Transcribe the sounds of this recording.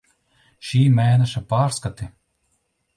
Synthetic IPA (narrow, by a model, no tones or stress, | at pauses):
ʃiːmæːnɛʃapaːɾskat̪i